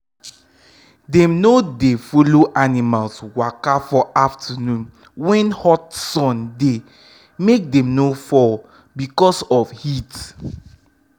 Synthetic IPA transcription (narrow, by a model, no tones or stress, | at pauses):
dɛ̃mnodefoloʔanimalswakafɔʔaftʰanũn | wɛ̃nhɔtsɔ̃nde | mek̚dɛ̃mnofɔl | bikɔsɔfhit